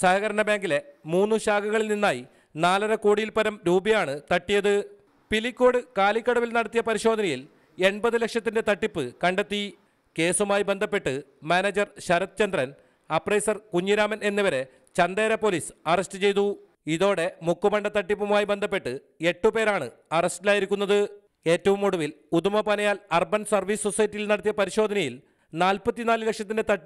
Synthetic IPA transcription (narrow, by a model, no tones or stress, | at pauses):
sɐɦɐɣɐɾɐɳɐbaːŋɡilemuːnːɨɕaːɡɐɣɐɭilninːaːji | naːlɐɾɐkoːɽijilpɐɾɐmɾuːbɐjaːɳɨt̪ɐʈːijɐðɨ | pilikʲːo̞ːɽɨkaːlikʲːɐɽɐʋilnɐɽɐt̪ːijɐpɐɾiɕo̞ːd̪ʱɐnɐjil | e̞ɳbɐðɨle̞kʂɐt̪ːinde̞t̪ɐʈːipːɨkɐɳɖet̪ːi | ke̞ːsumaːjibe̞nd̪ʱɐpːe̞ʈːɨmaːneːd͡ʑɐrɕɐɾɐt̪ːt͡ɕɐnd̪rɐn | ɐprɐjsɐrkuɲːiɾaːmɐne̞nːiʋɐɾe̞ | t͡ɕɐnd̪eːɾɐpo̞ːliːsɨɐrɐstɨt͡ɕe̞jt̪u | iðo̞ːɽe̞mukːupɐɳɖɐt̪ɐʈːipːumaːjibe̞nd̪ʱɐpːe̞ʈːɨ | e̞ʈːupe̞ːɾaːɳɨ̰ɐrɐstilaːjiɾikʲːunːɐðɨ | e̞ːtːɐʋumoɽuʋilud̪umɐpɐnɐjaːlɐrbɐnsɐrʋiːssosɐjɐtːijilnɐɽɐt̪ːjɐpɐɾiɕo̞ːd̪ɐnɐjil | naːlpɐt̪ːinaːlɨle̞kʂɐt̪ːinde̞t̪ɐʈːi